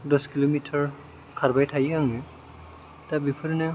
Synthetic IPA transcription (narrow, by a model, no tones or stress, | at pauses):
dɔskilomitʰɔɹ | kʰaɹbajtʰajkaŋɛ | tabipʰɔɾinɛ